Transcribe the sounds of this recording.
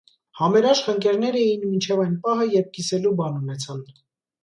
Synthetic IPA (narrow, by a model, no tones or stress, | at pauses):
hɑmɛɾɑʃχəŋkɛɾnɛɾɛjinmint͡ʃʰɛvɑjnpɑɦəjɛɾp̚kisɛlubɑnunɛt͡sʰɑn